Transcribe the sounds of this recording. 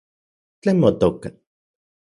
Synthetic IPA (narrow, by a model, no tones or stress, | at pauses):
t͡ɬemot̪oka